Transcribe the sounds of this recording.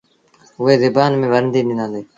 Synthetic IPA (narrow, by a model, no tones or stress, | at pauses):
ɦʊɦeːzɪbaːnmẽːʋəɾnd̪iːnɪ̃nãːnd̪eː